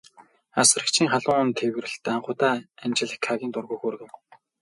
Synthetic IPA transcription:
as̆rə̆kt͡ɕʰiːŋχaɮʊŋʊnt̪ʰewrɘ̆ɬt̪ːaɴχʊːt̪aːamt͡ɕɪ̆ɮĕkʰːaɣʲiːnt̪ʊrɣoːxoːr̆ɣɘ̆w

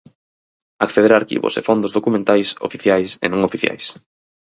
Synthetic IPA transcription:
akθeðeɾaɾkḭβʊ̰sḛfond̪ʊzðokumẽnt̪ajso̰fiθjajsḛnõŋofiθja̰js

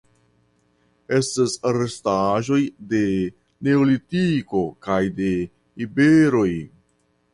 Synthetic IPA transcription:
e̞stasaɾestaʒo̞jde̞ | ne̞olitiko̞kajde̞ | ibeɾo̞j

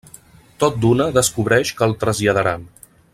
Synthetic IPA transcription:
t̪ot̪̚d̪unəðəskuβɾɛʃkəːlˠt̪ɾəzʎəðəɾan

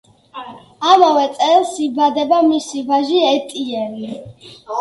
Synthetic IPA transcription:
amavɛt̪sʼɛlˠsibad̪ɛbamisivaʒiɛt̪ʼiɛɾi

